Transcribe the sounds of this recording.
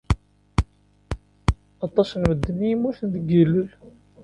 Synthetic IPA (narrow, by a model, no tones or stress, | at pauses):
ɑt̪ˤːɑsnməd̪ːənijimːuθənd̪əɡəlːəl